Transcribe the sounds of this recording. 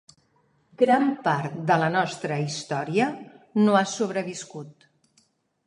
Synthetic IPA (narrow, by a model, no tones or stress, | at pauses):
ɡɾampaɾt̪d̪ələnɔst̪ɾəist̪ɔɾiənoasuβ̞ɾəβiskut̪